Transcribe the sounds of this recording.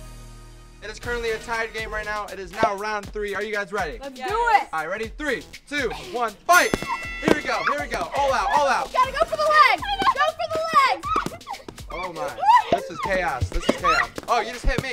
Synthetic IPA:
ɨɾɨz̥kʰɜ˞ɨ̃nʔliɨtʰaɪə˞d̚ɡẽɪ̃mɹaɪtⁿnaʊʔɨɾɨznaʊə˞ãʊ̃nθɹiə˞jɨɡaɪzɹɛɾidəɪt̚aɪɹɛɾiθɹitʰʉwʌ̃nb̥aɪt̚hiɹwiɡoʊhiɹwiɡoʊʔɔlˠaʊtɔlˠaʊt̚ɡɑɾɨɡoʊfəðəlæɡoɡ̥oʊfəðəlæɡ | ʔoʊmãɪnnðɪsɨz̥kʰeɪɑsðɪsɨz̥kʰeɪɑsʔoʊjɨd͡ʒʌst̚hɪt̚mi

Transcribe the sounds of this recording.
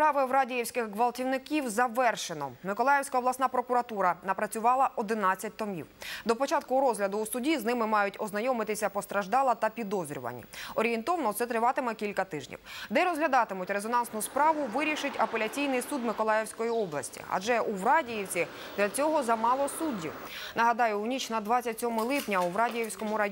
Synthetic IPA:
pɾɑʋɪwɾɑdʲijiwsʲkɪxkʋɐlˠtʲiwnɪkʲiwzɐʋɛrʃenɔ̰mɪkɔlˠɑjewsʲkɐɔblˠɐsnɑpɾɔkʊɾɐt̪uɾɐnɐpɾɐt͡sʲʊʋɑlˠɐʔɔd̪ɪnɑt͡sʲːɐt̚ʲt̪ɔmʲḭwd̪ɔpɔt͡ʃɑt̪̚kʊɾɔzɦlʲɐd̪ʊːsʊdʲiznɪmɪmɑjʊtʲɔznɐjɔmɪt̪ɪsʲɐpɔst̪ɾɐʒd̪ɑlˠɐt̪ɐpʲid̪ɔzʲɾʲʊ̰ʋɐ̰nʲḭɔɾʲijent̪ɔʋnɔt̪sɛt̪ɾɪʋɑt̪ɪmɛkʲilʲkɐt̪ɪʒnʲḭwd̪ɛɾɔzɦlʲɐd̪ɑt̪ɪmʊtʲɾezɔnɑnsnʊspɾɑʋʊʋɪɾʲiʃɪtʲɐpe̞lʲɐt͡sʲijnɪjsud̪mɪkɔlˠɑjewsʲkɔjiɔblˠɐsʲtʲḭɐ̰d͡ʒɛʔuwɾɑdʲijiwt͡sʲi | d̪lʲɐt͡sʲɔɦɔzɐmɑlˠɔsudʲːḭw | nɐɦɐd̪ɑjʊːnʲit͡ʃnɐd̪ʋɑt͡sʲːɐtʲsʲɔmɪlˠɪpnʲɐuʋɾɑdʲijiwsʲkɔmʊɾɐj

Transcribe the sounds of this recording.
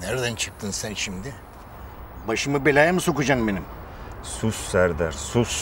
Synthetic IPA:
næɾd̪ænt͡ʃʰɯ̥k̚t̪ʰɯnsænʃimd̪ɪ | baʃɯmɯbelʲajamɯso̞kud͡ʒambenim | sussæɾd̪æɾsus

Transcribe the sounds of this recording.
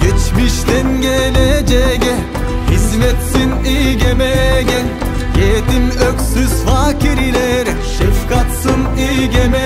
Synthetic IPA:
ɡ̥ʲet͡ʃmiʃt̪enɡeled͡ʒeɡe | izmet̪sinijɡemeɡe | jet̪imøksyzfɑkiɾileɾ | ʃifkɑt̪sɯn | iɡeme

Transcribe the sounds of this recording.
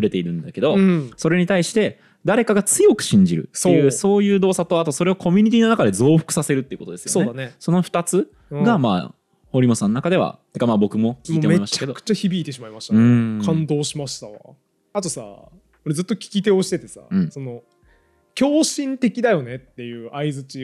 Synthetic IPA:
ɸɯ̟ɾe̞t̪e̞iɾɯ̟̃nd̪ake̞d̪o̞so̞ɾe̞ɲ̟it̪aiɕi̥t̪e̞ | d̪aɾe̞kaɡat͡sɨjo̞kɯ̟̥ɕĩɲ̟d͡ʑiɾɯ̟̰sejɯso̞ːjɯ̟ːd̪o̞ːsat̪o̞at̪oso̞ɾe̞o̞kʰo̞mʲiɲ̟it̪̬ʲiːno̞nakad̪e̞zo̞ːɸɯ̥kɯ̟sase̞ɾɯ̟t̪ːeɯ̟ko̞t̪oesɨjosoned̪aneso̞no̞ɸɯ̟̥t̪at͡sɨ̃ | ɡama̰ː | ho̞ɾʲimo̞sãnːonakad̪e̞a̰t̪ekamaːbo̞kɯ̟mo̞kʲiːemeimai̥takeokɯ̥t͡ɕaçibʲiːt̪e̞ɕ̬imaimaɕi̥t̪ɯ̃kʰãnd̪o̞ːɕimaɕi̥t̪a̰ | at̪o̞sa̰ | oɾe̞zɨt̪ːo̞kʲi̥kʲit̪e̞oɕi̥t̪et̪e̞sa̰ɯ̟̃ːɴsono̞ | kʲo̞ːɕĩnt̪e̞kʲid̪ajo̞ne̞t̪ːe̞jɯ̟ːʔaizɨt͡ɕi

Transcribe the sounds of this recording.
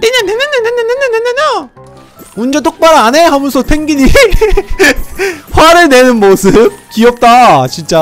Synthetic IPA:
eɲanenɯneneneneneneneɲa | mund͡ʑʌtʰok̚p͈aɾaneɦamɯnsʰopʰeŋɡiɲi | ɸwaɾɯɭne̞nɯnmosʰɯp̚kiʌp̚t͈at͡ɕint͡ɕ͈a

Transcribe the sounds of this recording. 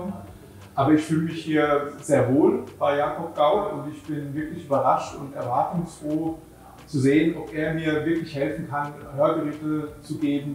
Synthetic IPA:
ʔaːbɐɪçfyːləmɪçhiːɐz̥eːɐvoːlb̥aɪjaːkʰɔp̚ɡ̥aʊtʊntɪçb̥ɪnvɪɐklɪçʔyːbɐʁaʃtʊntɛɐvaɐtʊŋsfʁ̥oː | t͡suzeːənɔpʔeːɐmiːɐvɪɐklɪçhɛlfn̩kʰanhøːɐɡəʁeːtət͡suɡeːbm̩

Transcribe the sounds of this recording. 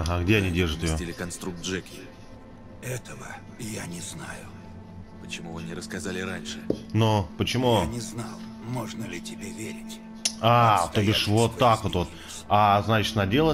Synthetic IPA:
ɐɦaɡdʲeɐnʲidʲe̞rʐɨt̪ʲɪjjotʲɪlʲɪkɐnst̪ɾuk̪̚ʐɛkʲɪ | ɛt̪əvə | janʲɪznajʊ | pət͡ɕɪmuvɨnʲɪɾəskɐzalʲɪɾanʲʂɨnopət͡ɕɪmunʲɪznalˠ | moʐnəlʲɪtʲɪbʲevʲeɾʲɪtʲ | at̪obʲɪʂvot̪ːakvot̪vo̞t̪ | aznat͡ɕɪ̥t̪nɐdʲe̞lˠə

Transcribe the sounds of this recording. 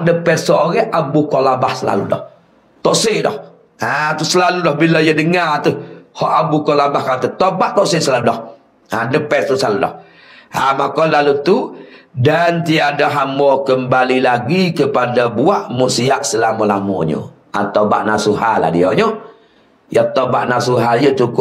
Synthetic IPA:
ʔdəpɛt̪soʔoɣɛhʔabukɔlabahsəla̰lṵdɔ̰h | t̪ɔʔsɪʔdɔ̰h | at̪usəlaludɔhbilɔjədəŋat̪uhɔʔabukɔlabahkanat̪ət̪obaʔt̪ɔʔsɪʔsəlaludɔh | adəpɛt̪̚t̪usəlaludɔ̰h | amakɔnlalut̪udant̪iadaɦamɔkəmbalilaɡikəpadabuaʔmusiaʔsəlamolamɔ̰ɲo̰ | a̰t̪aba̰ʔnasuɦala̰hdiɔɲo | jat̪obaʔnasuɦaljət͡ʃukʊ

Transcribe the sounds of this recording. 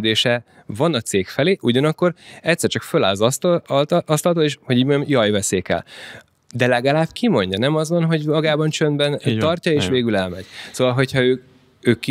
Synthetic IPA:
d̪eːʃɛ | vɒnɒt̪seːkfɛleːʔuɟɒnɒkːo̞rɛct̪sːɛrt͡ʃɒkføla̰ːlzɒst̪ɒst̪ɒlt̪oːeːʃho̞ɟiːɟmoɲɟɔmjɒjvɛseːkɛ̰l | d̪ɛlɛɡɒlaːbkʰimo̞ɲɟɒnɛmɒzvɒnɦo̞ɟmɒɡaːbɒnt͡ʃønd̪bɛnt̪ɒrcɒeːʃʋeːɡylɛlmɛ̰ɟ̥soːvɒlɦo̞chɒøː | øːkːi

